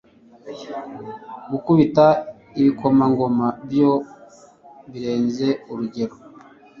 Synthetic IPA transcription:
ɡukuβita | iβiko̞maŋɡo̞mabjo̞ | βiɾe̞ːnze̞uɾuɟe̞ɾo

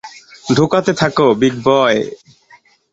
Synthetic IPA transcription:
ɖʱukat̪et̪ʰakobiɡ̚bɔe

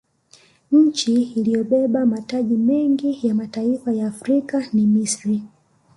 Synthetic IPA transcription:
ɲ̩t͡ʃiːlijɔɓɛɓamataʄimɛŋɡijamataifajaːfɾikanimisɾi

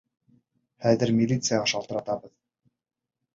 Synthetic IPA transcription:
χæðɘɾmʲilʲit̪sɨjaʁɑʃɑlˠt̪ɤ̆ɾɑt̪ɑβɤð

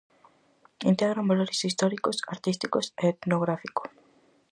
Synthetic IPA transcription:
int̪eɣɾambaloɾesist̪ɔɾikosaɾt̪ist̪ikoseet̪noɣ̞ɾafiko̥

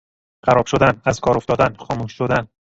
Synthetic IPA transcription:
ɢæɾɒːb̥ʃod̪ænæzkʰɒːɾoft̪ɒːd̪ænxɒːmuːʃːod̪æn

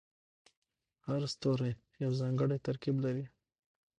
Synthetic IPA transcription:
haɾst̪oɾej | jawzɑŋɡəɽet̪aɾkiblaɾi

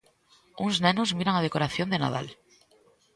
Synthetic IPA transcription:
uŋznenozmiɾaŋað̞ekoɾaθjond̪ena̰ð̞a̰l

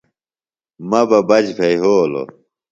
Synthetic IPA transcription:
mɐbɐbɐd͡ʑpʰeiɦoːlo̰

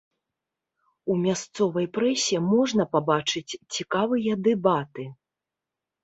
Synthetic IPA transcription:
umʲast̪sɔvɐjpɾɛsʲimɔʐnɐpabat͡ʂɨt͡sʲt͡sʲikavɨjɐd̪ɛbat̪ɨ

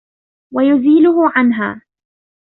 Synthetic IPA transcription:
wajʊziːlʊhʊʕanɦa̰ː

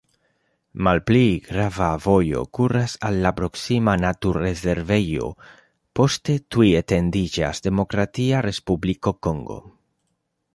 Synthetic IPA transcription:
malpliɡɾavavojo̞̰kurasalːapɾo̞ksimanat̪uɾezeɾvejo̰ | po̞st̪et̪uiet̪end̪id͡ʒa̰zd̪e̞mo̞kɾat̪iarespublikokoŋɡo̞̰

